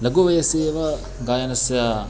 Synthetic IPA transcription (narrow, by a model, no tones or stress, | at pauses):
lɐɡuʋɐjɐseːʋɐ | ɡaːjɐnɐsja